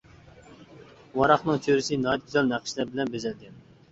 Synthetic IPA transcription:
wɑɾɑχnɨŋt͡ʃʰøɾɪsɪnɑt̪̚kʰʲyzɛlnæqʰʃlæɾbɪlɛnbezɛlɡʲɛn

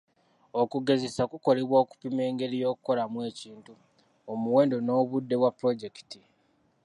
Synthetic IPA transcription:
o̞kuɡe̞zesakuko̞le̞βwoːku̥pime̞ːŋɡe̞ɾijo̞ːkuko̞lamwe̞ːciːntu | omuwe̞ːndo̞no̞ːβudːe̞wapɾo̞ɟe̞ki̥ti

